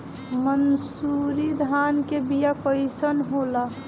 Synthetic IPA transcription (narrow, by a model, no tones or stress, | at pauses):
mənsuɾid̪ʱankebijapəɪsənɦola